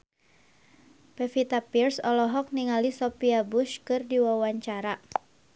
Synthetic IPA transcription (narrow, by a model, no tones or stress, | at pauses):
pɛfit̪apirsɔlɔɦɔk̚niŋalisɔpiabʊʃkɨrdiwawaɲt͡ʃaɾa